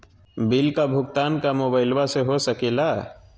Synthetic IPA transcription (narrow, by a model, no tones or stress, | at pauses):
bɪlkabʱʊɡt̪aːnkamoːbaːɪlwaseɦosɐkeːlaː